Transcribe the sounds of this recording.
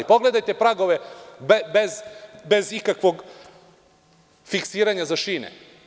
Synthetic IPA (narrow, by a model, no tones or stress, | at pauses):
ipo̞ɡle̞d̪ajt̪e̞pɾaɡo̞ʋebebezbe̞zikakʋo̞ɡ | fiksiːɾaɲazaʃiːnḛ